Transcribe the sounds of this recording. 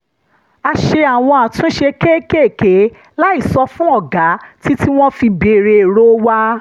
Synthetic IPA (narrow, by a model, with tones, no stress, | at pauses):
a˧ʃe˧a˨w̃ɔ̃˧a˨tũ˨˦ʃe˧ke˦ke˦˨ke˨˦ | la˦i˦˨sɔ˧fũ˦ɔ˦˨ɡa˨˦ti˦tʰi˦w̃ɔ̃˦fi˧be˧˨ɾe˧˨ɾo˦wa˦